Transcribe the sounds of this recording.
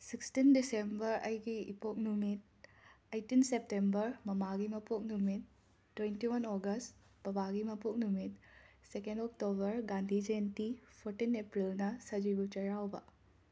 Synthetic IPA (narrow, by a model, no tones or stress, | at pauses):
sikstindisembɐɾɐjɡiipok̚numit̚ | ɐjtinsep̚tembɐɾmɐmaɡimɐpok̚numit̚ː | wentiwɐnoɡɐst | b̥ɐbaɡimɐpok̚numit̚ | sekendok̚tobɐɾɡandʱid͡ʒentipʰoɾtinepɾilnɐsɐd͡ʒibut͡ʃɐɾawbɐ̰